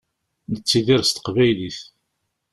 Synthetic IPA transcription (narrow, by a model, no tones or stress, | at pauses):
nət͡sːiðiɾst̪ə̥qvæjliθ